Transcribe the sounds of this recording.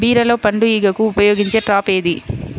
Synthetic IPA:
biːɾɐlo̞ːpɐɳɖuiɡɐkuːpɐjo̞ːɡiɲt͡ʃe̞ːʈɾaːpeːd̪i

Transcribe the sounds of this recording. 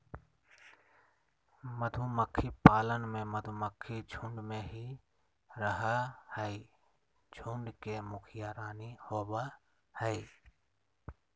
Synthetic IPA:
məd̪ʱuməkʰːipaːlənmẽməd̪ʱuməkʰːid͡ʒʱũɳɖmẽɦi | ɾəɦahɛi | d͡ʒʱuɳɖkemʊkʰɪjaːɾaːnihoːba | hɛiː

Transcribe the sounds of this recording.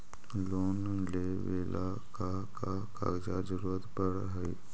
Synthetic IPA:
loːn | le | ʋeːlʔa | ka | ka | ka̰ɾd͡ʒad͡ʒəɾuːɾət̪pəɽɦəi

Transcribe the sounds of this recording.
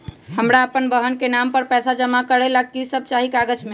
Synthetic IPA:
həmɾaəpənbəɦənkenampəɾpɛsad͡ʒəmakəɾɛlaɡkisəb̚t͡ʃaɦikaɡəd͡ʒme

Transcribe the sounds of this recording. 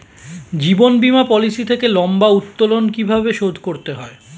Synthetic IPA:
d͡ʑibonbimapɔlisit̪ʰekelɔmbaut̪ːolonkibʱabeʃod̪ʱkoɾt̪eɦɔe

